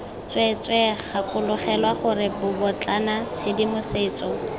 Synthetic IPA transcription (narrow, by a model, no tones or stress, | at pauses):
t͡swɛt͡sʼwɛχakʼʊlʊχɛlwaχʊrɪbʊbʊt͡ɬʼanat͡sʰedimʊseːt͡sɔ